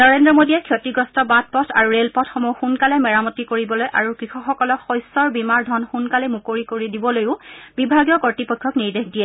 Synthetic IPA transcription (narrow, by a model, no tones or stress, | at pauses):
nɔɹendɹɔmodiɛkʰjotiɡɔstɔbat̚pɔtʰaɹuɹelpɔtʰxɔmuxunkalɛmɛɹamɔtːikoɹibɔlojʔaɹukɹixɔxɔkɔlɔkxɔjsɔɹbimaɹdʱɔnxunkalɛmukoɹikoɹidibɔlojʊ̃bibʱaɡijɔkɔɹtipɔjkʰːɔkniɹdekʰdijɛ